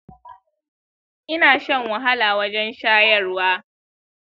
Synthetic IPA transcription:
ʔɪ˦naː˨ʃɐ˦˨ŋwɐ˨ɦa˦laː˨wɐ˦d͡ʒɛ˦nʃaː˦jɐ˦˨rwaː˦

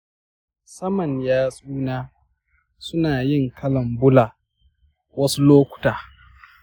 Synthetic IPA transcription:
sɐ˦mɐ˨ɲjaː˦sʼuː˦naː˦ | sʊ˦naː˨jɪ˦˨ŋkʰɐ˦lɐ˨mbʊ˦laː˨ | wɐ˦su˦loː˦kʷʊ̥˨taː˨

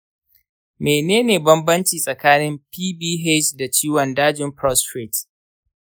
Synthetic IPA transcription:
meː˨neː˦neː˨bɐ˦mbɐ˦nt͡ʃiː˨sʼɐ˨kaː˦nɪ˦mpiː˦biː˦ɦe˦t͡ʃda˨t͡ʃiː˦wɐ˨ndaː˦d͡ʒɪ˨˦mpɾɔ˦stɾe˨t

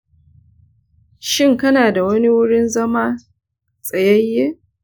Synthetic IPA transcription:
ʃɪ˦˨ŋkɐ˦naː˨da˨wɐ˦ni˦wʊ˦ɽɪ˦nzɐ˦maː˦ | sʼɐ˨jɐ˦jːeː˦

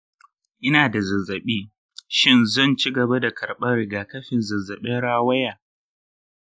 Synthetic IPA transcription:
ʔɪ˦naː˨da˨zɐ˨zːɐ˨ɓiː˦ | ʃɪ˦nzɐ˦˨nt͡ʃi˦ɡɐ˨ba˦da˨kʰɐ˨ɽɓɐ˦ɾɪ˨ɡaː˨kɐ˦ɸɪ˨nzɐ˨zɐ˨ɓɛ˦nɽaː˦wɐ˦jaː˨

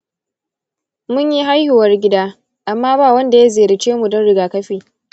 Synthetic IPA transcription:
mʊ˦ɲji˦ɦa˦jhɪ˨wɐ˦rɡʲɪ˦daː˦ | ʔa˨mːaː˦baː˦˨wɐ˦nda˨ja˦zeː˨ɾɪ˨t͡ʃeː˦mu˨dɔ˦nɽɪ˦ɡaː˨kɐ˦ɸiː˨

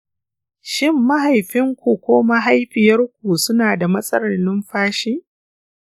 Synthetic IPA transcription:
ʃɪ˦mːa˦ɦa˨jɸɪ˦ŋkʷu˨kʷoː˦ma˦ɦa˦jɸɪ˨jɐ˦rkʷu˨sʊ˦naː˨da˨mɐ˦sʼɐ˦ɽɐ˨nɪ˦mɸaː˦ʃiː˦ʔ

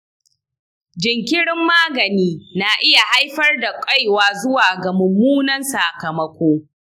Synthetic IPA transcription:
d͡ʒɪ˨ŋkʲɪ˦ɽɪ˦mːaː˦ɡɐ˨niː˦na˨ʔɪ˦ja˨ha˦jɸɐ˦rda˨kʷʼɐ˦jwaː˨zʊ˦waː˨ɡa˨mʊ˨mːuː˦nɐ˦nsaː˨kɐ˨mɐ˦kʷoː˦

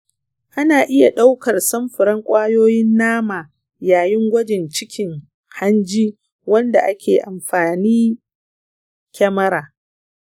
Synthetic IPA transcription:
ʔa˦naː˨ʔɪ˦ja˨ɗa˦wkɐ˨rsɐ˦mɸɪ˨ɾɐ˦ŋkʷʼaː˦joː˦jɪ˦nːaː˦maː˨ | jaː˨jɪ˦ŋɡʷɐ˦d͡ʒɪ˨nt͡ʃɪ˦kʲʰɪ˨ŋ | ha˦nd͡ʒiː˦ | wɐ˦nda˨ʔa˦kʲeː˨ʔa˨mɸaː˨niː˦ | kʲɛ˦mɐ˦ɾaː˨

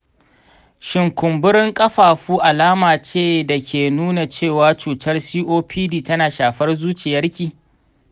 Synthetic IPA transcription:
ʃɪ˨ŋkʷʊ˨mbʊ˦ɽɪ˦ŋkʼɐ˦ɸaː˨ɸuː˦ʔa˨laː˦maː˨t͡ʃeː˦˨da˨kʲʰeː˨nuː˦na˨t͡ʃeː˦˨waː˦t͡ʃuː˨tɐ˦rsiː˦ʔoː˦pʰiː˦diː˦˨tɐ˦naː˨ʃaː˨ɸɐ˦rzuː˦t͡ʃɪ˨jɐ˦rkʲiː˨

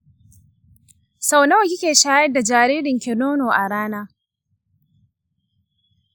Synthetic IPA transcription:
sa˨wna˦wkʲɪ˦kʲeː˨ʃaː˦jɐ˦da˨d͡ʒaː˨ɾiː˦ɾɪ˨ŋkʲɛ˨noː˦noː˨ʔa˨ɽaː˦naː˦

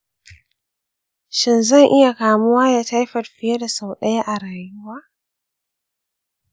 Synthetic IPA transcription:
ʃɪ˦˨nzɐ˦˨ŋʔɪ˦ja˨kaː˨mʊ˦waː˦ja˨ta˦jɸɐ˨rɸɪ˦ja˦da˨sa˨wɗɐ˦ja˦ʔa˨ɾaː˨jʊ˦waː˦

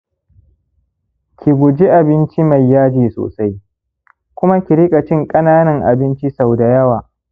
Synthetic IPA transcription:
kʲʰi˨ɡʷʊ˨d͡ʒi˦ʔa˨bɪ˦nt͡ʃi˦ma˨jːaː˦d͡ʒeː˨so̰ː˨sa˦j | kʷʊ˦ma˦kʲi˨ɾɪ˦kʼa˨t͡ʃɪ˦ŋkʼɐ˦naː˦nɐ˨ŋʔa̰˨bɪ˦nt͡ʃi˦sa˨wda˨jɐ˦waː˨

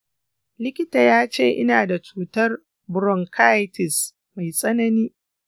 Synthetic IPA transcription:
lɪ˦kʲɪ˦taː˨jaː˦t͡ʃeː˦˨ʔɪ̰˦naː˨da˨t͡ʃuː˦tɐ˦r | bʊ˨ɾɔ˨ŋkʰa˦jtɪ˨s | ma˨jsʼɐ˦nɐ˦niː˦

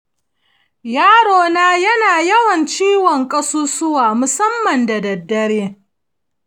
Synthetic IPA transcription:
jaː˦ɽoː˦naː˦jɐ˦naː˨jɐ˦wɐ˨nt͡ʃiː˦wɔ˨ŋkʼɐ˦suː˦sʊ˦waː˨mʊ˨sɐ˦mːɐ˨ndɐ˨dɐ˨dːɐ˦ɽeː˦

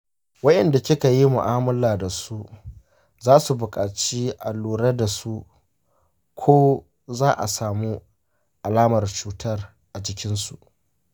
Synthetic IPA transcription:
wɐ˦ʔɛ˨nda˨kʲɪ˦ka˨ji˦mʊ̰˨ʔaː˦mʊ˦laː˨da˨su˦ | zaː˦su˨bʊ˨kʼaː˨t͡ʃiː˦ʔa˨lːuː˨ɽɐ˦da˨su˦ | kʷʰoː˦ | zaː˦ʔa̰˨saː˨mu˦ | ʔa˨laː˦mɐ˨rt͡ʃuː˦tʰɐ˦r | ʔa˨d͡ʒɪ˦kʲɪ˦nsu˨ʔ

